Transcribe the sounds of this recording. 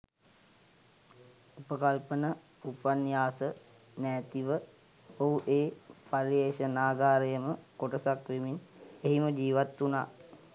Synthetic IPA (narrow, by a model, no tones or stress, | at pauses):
upəkalpənə | upanjaːsə | nɛːt̪iʋə | oɦuʔeːpaɾjeːʃənaːɡaːɾəjəməkoʈəsakʋemineɦiməd͡ʒiːʋat̪ːunaː